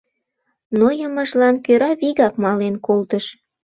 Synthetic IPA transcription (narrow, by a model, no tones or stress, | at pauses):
nojəməʒlɑnkøɾɑβiɣɑkmɑlenkolt̪əʃ